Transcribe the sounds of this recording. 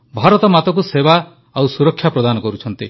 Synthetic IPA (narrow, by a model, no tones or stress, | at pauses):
bʱaɾɔt̪ɔmat̪ɔkuseba | awsuɾɔkʰːjapɾɔd̪anɔkɔɾut͡ʃʰɔnt̪i